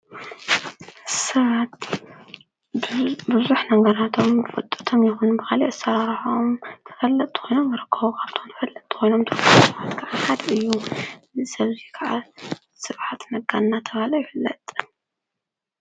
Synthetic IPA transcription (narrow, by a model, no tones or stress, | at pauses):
sɐβat̪ | bɨzuħnɐŋɡɐɾat̪ʰo̞mɨfɐt̪ʼːɐ̥t̪ʰomjɛxunbɨxaliʔɨsɐɾaɾħomt̪ʰɨ̥fɐlːɐt̪ʼɨ̥xʰo̞jnomjɨɾɨkʰːɐβukʰaβt̪ʰomt̪ʰɨfɐlːɐt̪ʼːkʰojno̞mt̪ʰɨfsɐβat̪kʰaʕaħad̪ɐɨjːu | sɐβzikʰaʕa | sɨβʕat̪nɐɡannat̪ʰɐβalojifɨlːɐt̪ʼ